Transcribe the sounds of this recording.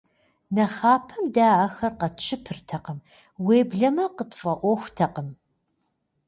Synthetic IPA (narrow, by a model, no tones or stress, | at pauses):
nɐχaːpʰɐmdaːaxɐrqɐt͡ʃʰɪpʰɨrtʰɐqəm | weːbɮɐmɐqətʼfʼɐʔʷɔxʷtʰɐqəm